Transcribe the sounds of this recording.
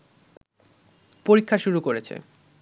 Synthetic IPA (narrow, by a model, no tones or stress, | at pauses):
poɾikʰːaʃuɾukoɾet͡ɕʰḛ